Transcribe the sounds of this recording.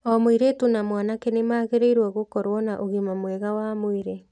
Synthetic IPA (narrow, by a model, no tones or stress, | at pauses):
ɔmoiɾetunamwanakenemaːɣeɾeiɾwaɣokɔɾwɔnaʔoɣimamwɛɣawamoiɾe